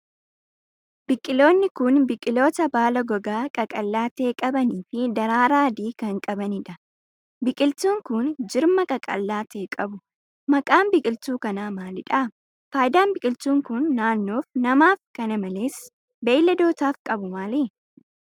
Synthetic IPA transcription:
b̥ɪkʼːɪlo̞ːnːɪkʊnbɪkʼːɪlo̞ːt̪ɐbaːlɐɡɔɡaːkʼɐkʼɐlːaːt̪e̞ːkʼɐbɐniːfɪd̪ɐɾaːɾaːd̪iːkɐŋkʼɐbɐnɪᶑɐ | bɪkʼɪlt̪uːŋkʊnd͡ʒɪɾmɐkʼɐkʼɐ̰lːaːt̪e̞ːkʼɐbʊ | mɐkʼaːmbɪkʼɪlt̪uːkɐnaːmaːlɪᶑaː | faːjɪd̪aːmbɪkʼɪlt̪uːŋkʊnːaːnːo̞ːfnɐmaːfkɐnɐmɐle̞ːs | beːlːɐd̪oːt̪aːfkʼɐbʊmaːle

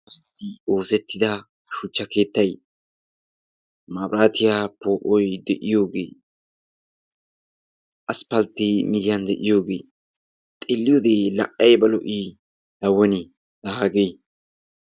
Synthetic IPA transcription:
ɐt̪ːɪoːsɛt̪ːɪd̪ɐ | ʃʊt͡ʃːɐke̞ːt̪ːɐj | mabɾaːt̪ɪjapoːʔɔjd̪ɛʔɪjo̞ːɡḛː | ʔɐspɐlt̪ːɪmɪjɪjɐnd̪ɛʔɪjo̞ːɡe̞̰ː | t̪ʼelːɪjoːd̪eːlɐ̰ʔʼɐjbɐlɔ̰ʔi | d̪̥ɐwːɔnɪ | d̪̥ɐhaːɡej

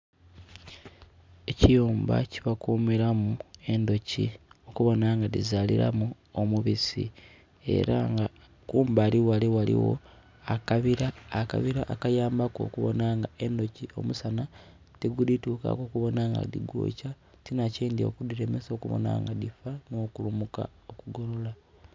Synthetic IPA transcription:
e̞cijuːmba̰ciβakuːmiɾamue̞ndo̞cio̞kuβo̞naŋɡadizaliɾa̰mu | omuβisḭ | e̞̰ɾaŋɡa | kuːmbaliwaliwalḭwo̰ | akaβiɾaːka̰βiɾaʔːkajaːmbako̞̰kuβo̞̰naŋɡae̞ndo̞cio̞̰musana | teɡudituːka̰ko̞kuβo̞naŋɡa̰dḭɡo̰ːca | tinaciːndio̰kudiɾe̞meso̞kuβo̰na̰ŋɡadifano̞kulumuka̰okuɡo̞lola

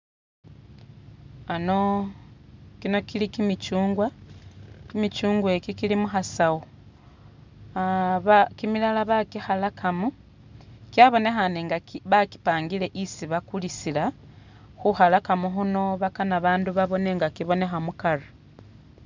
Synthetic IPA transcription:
ano̞ | kino̞kilikimit͡ʃuːŋɡwa | kimit͡ʃuːŋɡwekikilimuxasawo | aβakimilalaβakihalakʰamu | kiaβo̞ne̞xaneŋɡaβaki̥paːŋɡile̞ʔisiβakulisila | xuxalakamuɦuno̞βakanaβaːnduβaβo̞ne̞ŋɡakiβo̞ne̞xamukala

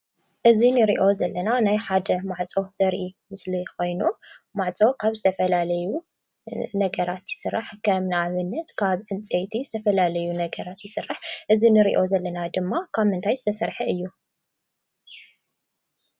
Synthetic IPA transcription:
ʔɨzinɨɾiʔo̞zɐlːɐnanajħad̪ɐmaʕt͡sʼo̞z̥ɐɾʔimɨsliko̞jnumaʕt͡sʼo̞kʰaβzɨt̪ʰɐfɐlalɐju | nɐɡɐɾat̪jɪsɨrːaħkʰɐmnaβɨnːɐt̪kʰaβʔɨnt͡sʼejt̪ʰizɨt̪ʰɐfɐlalɐjunɐɡɐɾat̪jɪsɨrːaħʔɨzinɨɾḭʔo̞zɐlːɐnad̪ɨmːakʰaβmɨnt̪ʰajzɨt̪ʰɐsɐɾħɐɨjːu

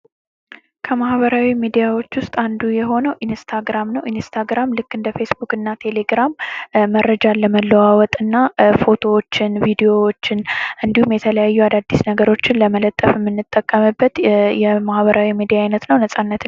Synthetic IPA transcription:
kʰəmahβəɾawimid̪ijawo̞t͡ʃːwʊst̪ʼand̪ujɛɦo̞nəwʔinst̪ʰaɡɾamnəwinst̪ʰaɡɾamlɨkːɨnd̪əfe̞sbukʼɨnːat̪ʰe̞le̞ɡɾamːəɾːəd͡ʒalːəməlːəwawɔt̪ʼɨnːafo̞t̪ʰo̞wot͡ʃːɪnvid̪eo̞wot͡ʃːɪnʔɨnd̪ihumjɛt̪ʰələjajːuad̪ad̪ːisnəɡəɾo̞t͡ʃːɪnləmələt̪ʼːəfɨmːɨnːɨt̪ʼːəkʼːəmɨbːət̪jɛmahβəɾawimid̪ijaːjnət̪nəwnəsʼanːət̪

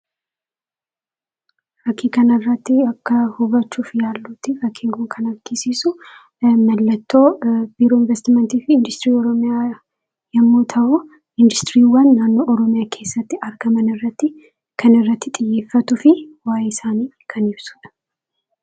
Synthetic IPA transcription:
fɐkʰːiːkɐnɪrːɐt̪ːɪɐkːɐhʊbɐt͡ʃːuːfɪjaːlːuːt̪ːɪfɐkʰːɪŋɡɔŋkʰɐnɐɾkːɪsiːsʊ | mɐlːɐt̪ːo̞ːb̥iːɾoːɪnvɛst̪ɪmɛnt̪iːfɪɪnd̪ʊst̪ɪɾiːɔɾɔmɪjaː | jɐmːoːt̪ʰɐʔʊ | ɪnd̪ʊst̪ɾiːwɐnːaːnːoːʔɔɾɔmɪjaːkʰe̞ːsːɐt̪ːɪɐɾɡɐmɐnɪrːɐt̪ːɪ | kʰɐnɪrːɐt̪ːɪt̪ʼɪjːe̞ːfːɐt̪ʊfɪwaːjɪsaːniː | kʰɐnɪbsʊ̥ᶑɐ̥

